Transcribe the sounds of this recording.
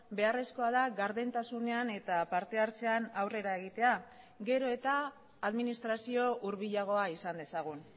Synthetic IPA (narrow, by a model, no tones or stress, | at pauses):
be̞are̞sko̞aðaɣaɾðent̪asune̞ane̞t̪apaɾt̪e̞aɾt͡se̞anawre̞ɾae̞ɣ̞it̪e̞a | ɡe̞ɾo̞e̞t̪aː | ðminist̪ɾasio̞ʔuɾβiʎaɣ̞o̞aisand̪e̞saɣ̞un